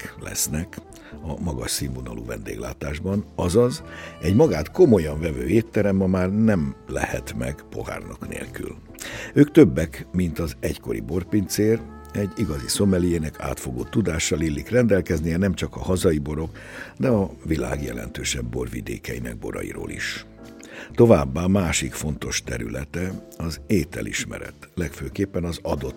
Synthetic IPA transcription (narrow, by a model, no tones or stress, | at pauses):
lɛ̰snɛk | ɒmɒɡɒʃsimːonɒlṵvɛnd̪ḛːɡla̰ːt̪aːʒbɒnɒzɒzɛɟmɒɡaːt̪ko̞mo̞jɒɱvɛvøːeːt̪ːɛɾɛmːɒmaːrnɛmlɛ̰hɛt̪mɛɡpo̞̰ha̰ːrnɒknḛːlky̰l | øːkt̪øbːɛkmint̪ɒzɛcko̞ɾḭbo̞rpint̪seːr | ɛɟːiɡɒziso̞mɛlijeːnɛkʰa̰ːt̪fo̞ɡoːt̪ːud̪aːʃːɒlilːikrɛnd̪ɛlkɛznijɛnɛmt͡ʃɒkɒhɒzɒibo̞ɾo̞k | d̪ɛɒvila̰ːɡjɛlɛ̰nt̪øːʃɛbːo̞rvḭd̪ḛːkɛinɛ̰ɡ̚bo̞̰ɾɒ̰jḭɾo̰ːlḭʃ | t̪o̞vaːbːaːmaːʃikfo̞nt̪o̞ʃt̪ɛɾylɛt̪ɛ | ɒzeːt̪ɛ̰lʔḭʃmɛ̰ɾɛ̰t̪lɛkføːkeːpːɛnɒzɒd̪o̞t̪